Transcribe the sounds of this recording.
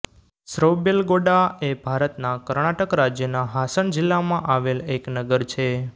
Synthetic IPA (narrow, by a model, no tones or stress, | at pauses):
sɾəʋbelɡoɖaebʱaɾət̪nakəɾɳaʈəkɾad͡ʒjənaɦasəɳd͡ʒɪlːamãʔaʋeleknəɡəɾt͡ʃʰe